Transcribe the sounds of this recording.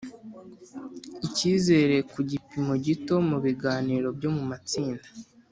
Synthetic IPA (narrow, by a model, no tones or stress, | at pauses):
iciːze̞ːɾe̞kuɟipimo̞ɟito̞muβiɡaːniːɾo̞bjo̞mumat͡siːndḁ